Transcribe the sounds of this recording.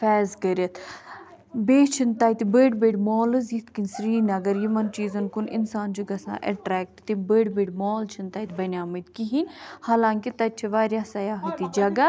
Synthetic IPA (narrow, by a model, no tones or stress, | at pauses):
fɛːzkəɾət̪ | beːt͡ʃʰənt̪aːjt̪ibəːɖbeːɖmɔːlɨzjit̪ʰkinsɾiːnɐɡəɾjimɐnt͡ʃiːzənkʊnɪ̰nsaːnt͡ʃuɡɐsã̰ːʔɛ̰ʈɾɛːk̚ʈt̪ebeːɖbeːɖmɔːlt͡ʃʰənt̪aːjt̪ʰbɐnʲaːmit̪̚kiɦinʲhaːlãːŋkit̪ɐt͡ʃʰiʋaːɾjaːsɐjaːɦət̪id͡ʒɐɡa